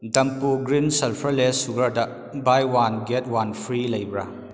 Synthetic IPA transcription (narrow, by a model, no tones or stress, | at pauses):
dɐmpuɡɾinselpʰɐɾlesuɡɐɾdɐ | bajwanɡet̚wanpʰɾilɐjbɾɐ